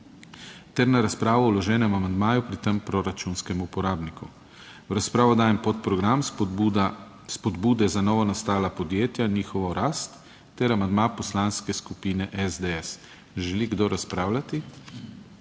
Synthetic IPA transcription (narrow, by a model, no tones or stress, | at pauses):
t̪ɛɾnaɾaspɾaːʋɔwlɔʒɛːnɛmamand̪maːjupɾit̪ɛmpɾoɾat͡ʃunskɛmupɔɾaːbnikʰṵ | wɾaspɾaːʋɔd̪aːjɛmpɔt̪̚pɾɔɡɾam | spɔd̪buːd̪ɛzanɔːʋɔnast̪aːlapɔd̪jeːt̪janiːxɔʋɔɾaːst̪ː | ɛɾamand̪maːpɔslanskɛskupiːnɛʔɛzd̪ɛɛs | ʒɛliɡd̪oɾaspɾaːwlʲat̪i